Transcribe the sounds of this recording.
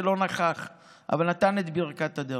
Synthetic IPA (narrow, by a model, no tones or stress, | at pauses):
elo̞naχaχ | ʔa̰valnat̪anet̪biʁkat̪ad̪e